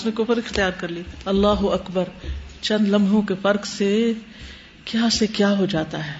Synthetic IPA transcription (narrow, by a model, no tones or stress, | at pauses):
ʊsnekʊfəɾɪxt̪ɪjaːɾkɐɾliɐlːaːɦʊɐkbəɾt͡ʃɐ̃nd̪lɐ̃mbʱõkefɐɾkse | kjaːsekjaːɦod͡ʒaːt̪aɦɛː